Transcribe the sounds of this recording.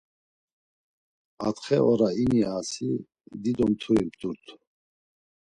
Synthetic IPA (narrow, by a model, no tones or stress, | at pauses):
at̪χɛʔɔɾainiasi | d̪id̪ɔmt̪ʰuɾibd̪uɾt̪ʰ